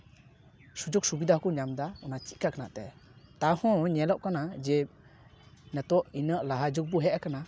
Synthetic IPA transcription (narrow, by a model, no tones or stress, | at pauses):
sud͡ʒuk̚subidahkuɲamdaɔnat͡ʃiʔkakʰanatɛt̪ahɔ̃ɲɛlɔʔkanad͡ʒɛ | nɛtɔʔinəʔlaɦad͡ʒuk̚buɦɛʔakana